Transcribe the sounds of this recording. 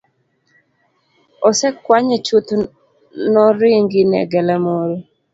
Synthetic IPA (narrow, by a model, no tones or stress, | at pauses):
ɔsɛkwaɲɛt͡ʃut̪ | nɔɾɪŋɡɪnɛ̰ɡɛlamoɾo